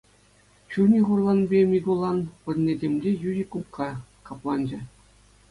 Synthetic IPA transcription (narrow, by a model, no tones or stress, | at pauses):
ɕunʲiχurlˠɑnbʲemʲiɡulˠɑnpɘ̆rnʲedʲemʲlʲejuʑʲikukʰːɑkɑplˠɑnd͡ʑɘ̆